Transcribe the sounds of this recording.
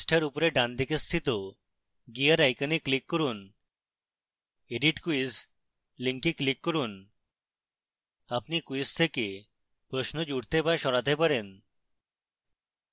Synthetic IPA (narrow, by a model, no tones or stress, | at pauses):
sʈʰaɾupɔɾeɖãnd̪ʱikest̪ʰit̪o | ɡiəɾajkaniklikːɔɾun | eɖiʈkuis | liŋkiklikːɔɾun | apnikuist̪ʰeke | pɾɔsnɔd͡ʑuɽt̪epajʃɔɽat̪epaɾen